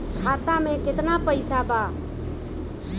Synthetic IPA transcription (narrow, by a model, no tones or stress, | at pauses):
kʰat̪ameket̪napəɪsaba